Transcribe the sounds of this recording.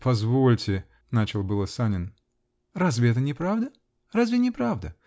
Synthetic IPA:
pɐzvolʲtʲɪ | nat͡ɕɪlˠbɨlˠəsanʲɪn | razvʲɪɛt̪ənʲɪpɾavd̪ə | razvʲɪnʲɪpɾavd̪ə

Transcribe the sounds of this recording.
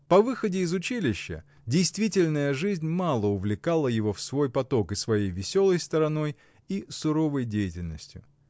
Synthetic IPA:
pɐvɨxədʲɪːzʊt͡ɕilʲɪɕːə̰ | dʲɪjst̪vʲitʲɪlʲnəjəʐɨzʲnʲmalˠəʊvlʲɪkalˠəjɪvo̞fsvo̞jpɐt̪o̞kɨsvɐjejvʲɪsʲo̞lˠəjst̪əɾɐno̞j | isʊɾo̞vəjdʲejɪtʲɪlʲnəsʲtʲjʊ̰

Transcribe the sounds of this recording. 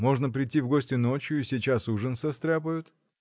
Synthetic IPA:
mo̞ʐnəpɾʲɪtʲivɡosʲtʲɪno̞t͡ɕjʊisʲɪt͡ɕasuʐənsɐst̪ɾʲap̬əjʊt̪

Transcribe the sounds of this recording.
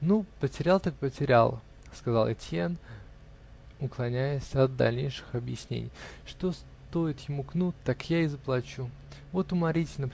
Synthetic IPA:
nupətʲɪɾʲalˠt̪ak̚pətʲɪɾʲa̰lˠ | skɐzɑlˠɪtʲɪan | ʊklˠɐnʲæjɪsʲɐd̪̚d̪a̰lʲnʲḛjʂɨ̥xɐbjɪsʲnʲḛnʲɪ̰jʂt̪o̞s | t̪o̞ɪt̪jɪmuknut̪ːakjaɪzəplˠɐt͡ɕu | vo̞t̪ʊmɐɾʲitʲɪnəp

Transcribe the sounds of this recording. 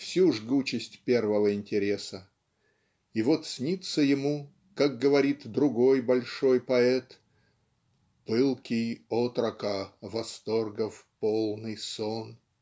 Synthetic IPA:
fsʲuʐɡut͡ɕɪsʲtʲpʲe̞rvəvəɪnʲtʲɪɾʲesə | ivot̪sʲnʲit̪səjɪmu | kak̚ɡəvɐɾʲit̪d̪ɾʊɡo̞jbɐlʲʂo̞jpɐɛt̪ | pɨlˠkʲijot̪ɾəkəvɐst̪orɡəfpolˠnɨjson

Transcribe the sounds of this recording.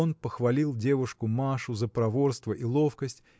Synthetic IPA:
onpəxvɐlʲilˠdʲe̞vʊʂkʊmaʂʊzəpɾɐvo̞rst̪vəʔilˠo̞fkəsʲtʲ

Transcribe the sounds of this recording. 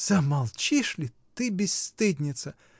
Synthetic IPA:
z̥ɐmɐlˠt͡ɕiʂlʲɪ | t̪ɨbʲɪst̪ɨdʲnʲɪt̪sə

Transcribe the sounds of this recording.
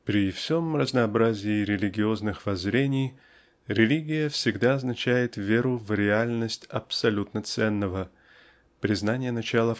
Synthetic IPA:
pɾʲɪfsʲo̞mrəznəːbɾazʲɪːɾʲɪlʲɪɡʲɪo̞znɨxvɐzɾʲenʲɪj | ɾʲɪlʲiɡʲɪjəfsʲɪɡd̪aɐznɐt͡ɕæjɪt̪vʲe̞ɾʊvɾʲɪalʲnəsʲtʲɐpsɐlʲut̪nət̪sɛnːəvə | pɾʲɪznanʲɪjənɐt͡ɕalˠə

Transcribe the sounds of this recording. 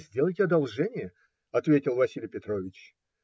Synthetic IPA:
zʲdʲelˠəjʲtʲɪɐd̪ɐlˠʐɛnʲɪjə | ɐt̪vʲetʲɪlˠvɐsʲilʲɪjpʲɪt̪ɾo̞vʲɪt͡ɕ

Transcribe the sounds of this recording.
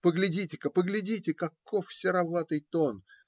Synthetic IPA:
pəɡlʲɪdʲitʲɪkəpəɡlʲɪdʲitʲɪkɐkʰːofsʲɪɾɐvat̪ɨjt̪on

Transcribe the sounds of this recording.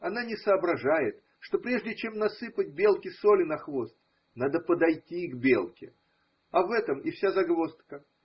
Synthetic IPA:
ɐnanʲɪsəːbɾɐʐajɪt̪ | ʂt̪o̞pɾʲe̞ʐdʲɪt͡ɕe̞mnɐsɨpət̚ʲbʲe̞lˠkʲɪsolʲɪnɐxvo̞st̪ | nad̪əpəd̪ɐjtʲiɡbʲelˠkʲɪ̰ | ɐvɛt̪əmɪfsʲazɐɡvo̞st̪kə

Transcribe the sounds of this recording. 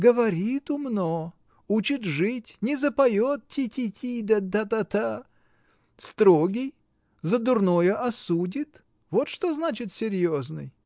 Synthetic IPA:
ɡəvɐɾʲit̪ʊmno | ut͡ɕɪt̪ʐɨtʲnʲɪzəpɐjot̪̚tʲitʲitʲʰid̪ad̪at̪at̪a | st̪ɾoɡʲɪj | zəd̪ʊrnojəʔɐsudʲɪt̪ | vo̞t̪ʂt̪oznat͡ɕɪt̪sʲɪɾʲjoznɨ̰j

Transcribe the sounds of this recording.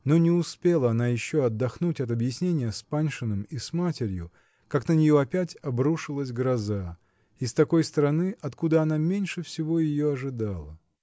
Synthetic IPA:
no̞nʲɪʊspʲe̞lˠəɐnajɪɕːoɐd̪ːɐxnutʲɐt̪̬ɐbjɪsʲnʲenʲɪjəspanʲʂɨnɨmismatʲɪɾʲjʊ | kaknənʲɪjo̞ɐpʲætʲɐbɾuʂɨlˠəsʲɡɾɐza | ɪst̪ɐko̞jst̪əɾɐnɨʔɐt̪kud̪əɐnamʲenʲʂɨfsʲɪvo̞jɪjo̞ɐʐɨd̪alˠə

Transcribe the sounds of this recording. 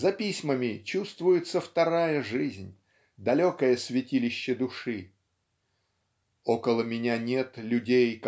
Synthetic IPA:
zɐpʲisʲməmʲɪt͡ɕust̪vʊjɪt̪səft̪ɐɾajəʐɨzʲnʲ | d̪ɐlʲo̞kəjəsvʲɪtʲilʲɪɕːɪd̪ʊʂɨ | okəlˠəmʲɪnʲanʲe̞t̪lʲʉdʲejk

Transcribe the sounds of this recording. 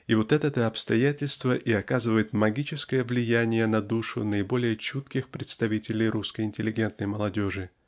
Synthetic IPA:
ivo̞t̪ɛt̪ɛt̪əɐpst̪ɐjætʲɪlʲst̪vəʔiɐkazɨvəjɪt̪mɐɡʲit͡ɕɪskəjəvlʲɪjænʲɪjənɐd̪uʂʊ̰nəɪbo̞lʲɪjət͡ɕut̪kʲɪxpɾʲɪt̪st̪ɐvʲitʲɪlʲɪjɾʔuskəjɪnʲtʲɪlʲɪɡʲe̞nt̪nəjməlˠɐdʲo̞ʐɨ

